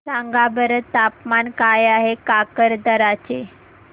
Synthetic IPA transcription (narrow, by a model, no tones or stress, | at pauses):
saŋɡabəɾət̪ːapmankajaɦekakəɾd̪əɾat͡ɕe